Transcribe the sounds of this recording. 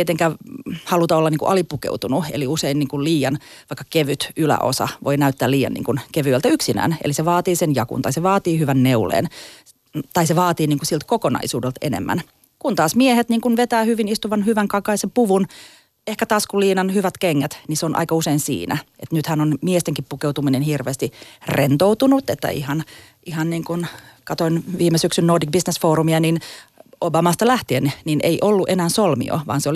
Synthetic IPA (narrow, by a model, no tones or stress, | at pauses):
et̪eŋkæːhɑlut̪ɑolːɑniːŋkuʔɑlipukḛut̪unuḛliuseiniːŋkulliːjɑnʋɑikːɑkeʋyt̪ylæ̰ʔo̰sɑ̰ʋʔo̰inæyt̪ːæːliːjɑ̰nnḭːŋkunkeʋyælt̪æyksinæ̰ːnḛliseʋɑːt̪iːsenjɑkṵnt̪ɑiseʋɑːt̪iːhyʋænːeulḛːn | t̪ɑiseʋɑːt̪iːniːŋkusilt̪̚kokonɑ̰isuːdelt̪ḛnḛmːæ̰n | kunt̪ɑːsmiehet̪niːŋkunʋet̪æːhyʋinist̪uʋɑnhyʋæŋkɑkɑisempuʋun | ehkæt̪ɑːskuliːnɑnhyʋæt̪keŋːæt̪niseonʔɑ̰ikɑuseinsḭːnæ̰ʔet̪nyt̪hænonmiest̪eŋkippukeuwt̪uminenhirʋeːst̪irent̪out̪unut̪et̪ːæ̰ihɑn | ʔihɑnniːŋkun | kɑt̪oinʋiːmesyksynnoːrdik̚bisnesfoːɾumiɑninobɑmɑːst̪ɑlæht̪ienninḛiʔolːuʔenæːnsolmḭo̰ʋɑ̰ːnseol